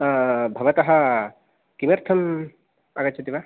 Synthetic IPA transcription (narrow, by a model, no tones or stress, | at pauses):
bʱɐʋɐt̪ɐɦɐ | kimɐɾt̪ʰɐm | ɐɡɐt̪ːt͡ʃʰɐt̪iʋa